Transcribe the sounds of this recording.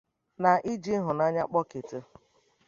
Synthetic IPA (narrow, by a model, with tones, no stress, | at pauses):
na˨ʔi˦d͡ʒi˦ɦʊ˨na˦ɲa˦k͡pɔ˦ke˨tɪ˦